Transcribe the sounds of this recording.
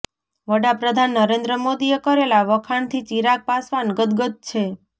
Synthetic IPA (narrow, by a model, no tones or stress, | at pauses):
ʋəɽapɾəd̪ʱanːəɾend̪ɾəmod̪ijekəɾelaʋəkʰaɳt̪ʰit͡ʃiɾak̚pasʋanɡət̪ɡət̪̚t͡ʃʰe